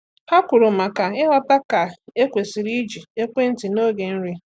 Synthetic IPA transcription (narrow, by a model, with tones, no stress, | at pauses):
ha˦kʷʊ˨ɾʊ˨ma˨ka˨ɪ˦ɦa˦ta˦ka˨e˦kʷe˨si˨ɾi˦d͡ʒi˨e˦kʷe˦n̩˦ti˨no˦ɡe˨n̩˦ɾi˦